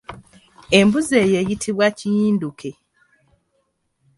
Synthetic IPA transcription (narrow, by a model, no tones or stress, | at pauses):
e̞mbuzeːjeːjitʰiβwacijiːndukʰe̞